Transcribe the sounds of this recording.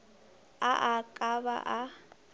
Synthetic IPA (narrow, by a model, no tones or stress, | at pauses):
aʔakʼaba̰ʔa